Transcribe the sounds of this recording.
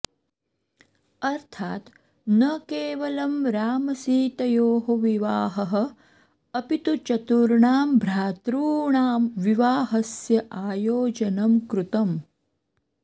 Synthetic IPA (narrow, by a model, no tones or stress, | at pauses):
ɐɾt̪ʰaːt̪ | nɐkeːʋɐlɐmɾaːmɐsiːt̪ɐjoːɦoʋiʋaːɦɐɦɐ̆ | ɐpit̪ut͡ʃɐt̪uɾɳaːmbʱɾaːt̪ɾuːɳaːmʋiʋaːɦɐsjɐʔaːjoːd͡ʒɐnɐmkɾut̪ɐm